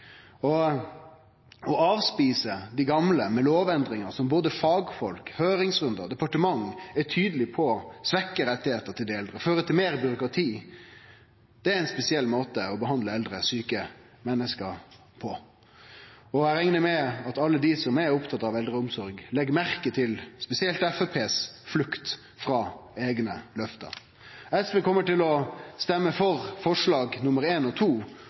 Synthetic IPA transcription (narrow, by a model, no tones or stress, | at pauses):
ɔ | ɔɑːʋspiːsəd̪ɪɡɑmləmɛloːʋɛnd̪ɾɪŋəʁsɔmboːd̪əfɑːɡfɔlkhøːɾɪŋsʁʉnd̪ə̰d̪ɛpɑʈəmɑŋːæt̪ʰyːd̪əlɪpʰɔsʋɛkːəɾɛt̪ːɪheːt̪əɾt̪ʰɪld̪ɛɪɛld̪ɾəføːɾət̪ʰɪlmeːɾbʏɾʊkɾɑt̪ʰiː | d̪̥ɛæɾɪnspɛsɪɛlːmoːt̪əɔbəɦɑnd̪ləɛld̪ɾəsyːkə | mɛnːəskəɾ | pʰɔ | ɔæɾɛŋnəmɛɑt̪ɑlːəd̪isɔmæʊpt̪ʰɑt̪ːɑʋɛld̪ʁəʊmsɔɾɡlɛɡmæɾkət̪ʰɪlspɛsɪɛlt̪ɛfɛpʰeːsflʉkt̪ | fɾɑːeːɡnəlœft̪ə̰ɾ | ɛsʋeːkɔmːəʈɪlɔst̪ɛmːəfɔɾfɔʂɭɑːɡnʊməɾeːnɔt̪ʰuː